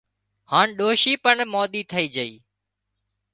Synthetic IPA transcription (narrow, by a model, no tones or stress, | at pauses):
haːɳɗoːʃiːpəɳmɔːɗ̪iːt̪ʰəiːd͡ʒəḭː